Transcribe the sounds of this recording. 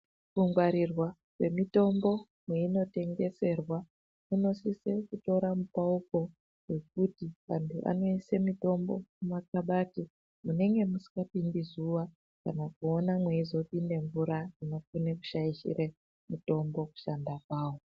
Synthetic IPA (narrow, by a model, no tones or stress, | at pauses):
fuŋɡwaɾirwa | we̞mito̞mbo̞ | mwe̞ino̞te̞ŋɡe̞se̞rwa | muno̞sisekuto̞ɾamupauko̞ | we̞k̚utiʋantʰuʔa̰no̞ise̞mito̞mbo̞̰kumak̚aɓati | mune̞ŋɡe̞musi̥kɡapindizuwa | kanakuo̞namwe̞izo̞pinde̞ɱvuɾad͡zino̞funeku̥ʃaiʃḭre | muto̞mbo̞ku̥ʃandakwaːwo̞